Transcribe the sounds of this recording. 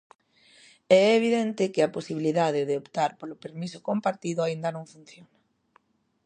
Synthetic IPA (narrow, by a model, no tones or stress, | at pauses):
ɛɛːβ̞iðɛnt̪ɪkɪaposiβiliðaðɪðeopt̪aɾpolʊpeɾmisʊkompaɾt̪iðʊaind̪ɐnõŋfun̟θjonɐ